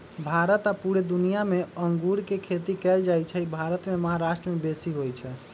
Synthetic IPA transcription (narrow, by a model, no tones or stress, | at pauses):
bʱaɾət̪apuɾed̪unijameəŋɡuɾkekʰet̪ikɛld͡ʒajt͡ʃʰɛibʱaɾət̪meməɦaɾaʃʈɾəmebesiɦojt͡ʃʰɛ